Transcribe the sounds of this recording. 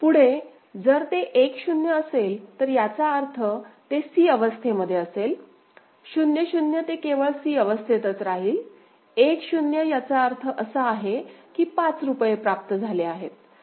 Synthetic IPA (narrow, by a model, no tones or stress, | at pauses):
puɽ̤e | d͡zəɾt̪eʔekɕunjəːselt̪əɾjat͡saəɾt̪ʰət̪esiːəʋəst̪ʰeməd̪ʱjeəsel | ɕunjəɕunjət̪ekeʋəɭsiːəʋəst̪ʰet̪ət͡sɾaɦiːl | ekɕunjəjat͡saəɾt̪ʰəʔəsəaɦekiːpat͡sɾupjepɾap̚t̪əd͡zʱaleaɦet̪̚